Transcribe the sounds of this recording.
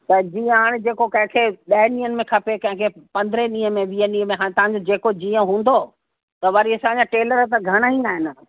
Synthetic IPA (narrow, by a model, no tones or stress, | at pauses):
t̪ɐd͡ʑiːə̃ɦaːɽ̃ɪd͡ʑeːkokɐ̃ɦɪ̃kʰeɓɐɦɪnĩːənɪ̆mẽkʰɐpekɐ̃ɦɪ̃kʰepɐ̃nd̪ɪɾeɗĩːɦə̃mẽʋiːənĩːə̃mẽɦaːɽ̃t̪ɐʋ̤ɦãɲ̆d͡ʑod͡ʑeːkod͡ʑiːə̃ɦũːn̆d̪o | t̪ɐʋɐɾiɐsãːɲãʈeːləɾt̪ɐɡʱɐɽ̃aɦĩaːɦɪnɪ̆